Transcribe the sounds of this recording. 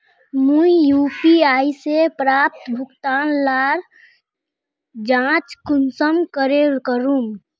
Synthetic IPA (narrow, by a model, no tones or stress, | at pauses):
mũijuːpiaːisepɾaːp̚t̪bʱʊkt̪aːnlaːɾ | d͡ʒãːt͡ʃkʊnsəmkəɾekəɾũm